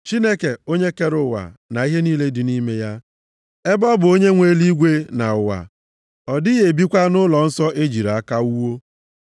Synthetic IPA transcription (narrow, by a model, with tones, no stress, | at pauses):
t͡ʃi˦ne˦ke˨o˦ɲe˦ke˦ɾʊ˨wa̰˨na˨i˦ɦe˦niː˦le˦dɪ˨ni˦me˦ja˦ | e˦bɔ˦bʊ˨o˦ɲe˦ŋʷe˦li˦ɡʷe˦na˨ʊ˨wa̰˨ | ɔ˨dɪ˦je˨bi˦kʷa˦nʊ˦lɔ˨n̩˦sɔ˦ʔe˦d͡ʒi˨ɾa˨a˦ka˦u˦wo˦